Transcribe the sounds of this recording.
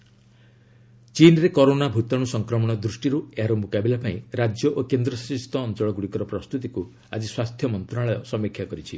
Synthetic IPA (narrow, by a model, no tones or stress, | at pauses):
t͡ʃinɾekɔɾonabʱut̪ɔɽ̃usɔŋkɾɔmɔɽ̃ɔd̪ɾusʈiɾueɦaɾɔmukabilapaĩɾad͡ʒjɔʔokend̪ɾɔsɔtist̪ʰɔːnt͡ʃɔɭɔɡuɽikɔɾɔpɾɔst̪ut̪iku | a̰d͡ʒiswast̪ʰjɔmɔnt̪ɾaɭɔjɔsɔmikʰjakɔɾit͡ʃʰi